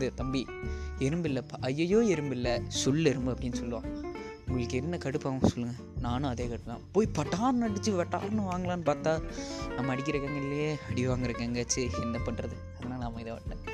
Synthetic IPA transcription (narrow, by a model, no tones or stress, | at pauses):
d̪ɯt̪ɐmbi | ɛɾɯmbɪlːɐpɐjːɐjoːɛɾɯmbɪlːɐsʊlɛɾɯmbɯɐpːɐɽɪnːɯsɔlːɯʋã̰ː | ʊŋɡɐɭɯkːɛnːɐkɐɽɯpːãːsɔlːɯŋɡɐ | naːnʊ̃ɐðeːkɐɽɯp̪ːlã̰ːpoːjipɐʈːaːɾnɐɽɯt͡ʃːɯʋɐʈːa̰ːɾnɯ̃ʋaːŋɡɐlãːnɯpaːɾt̪ãːnɐmːɐɐɽɪkːɪɾɐkːeːŋɡɐɪlːɐjeːɐɽɪʋaːŋɡɪɾɯkːeːŋɡɐt͡ʃːɯɛnd̪ɐpɐɳrɐðɯ | ɐðɐnaːlɐnɐmːɐɪðɐːʋɐ̰ʈːẽː